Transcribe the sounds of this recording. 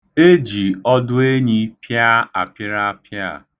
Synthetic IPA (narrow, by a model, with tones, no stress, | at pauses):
e˦d͡ʒi˨ɔ˦dʊ˦e˦ɲi˦pja˦a̰˨pɪ˦ɾa˦pja̰˦˨